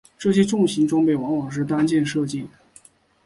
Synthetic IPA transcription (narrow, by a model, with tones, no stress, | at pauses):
ʈ͡ʂɤ˥˩ɕ̬jɛ˥ʈ͡ʂʊ˥˩ŋɕi˧˥nʈ͡ʂwɑ˥ŋpe˥˩ɪwɑ˧˥ŋwɑ˨˩ŋʂ̬ɻ̩˥˩t̪a˥nt͡ɕjɛ˥˧nʂɤ˥˧t͡ɕi˥˩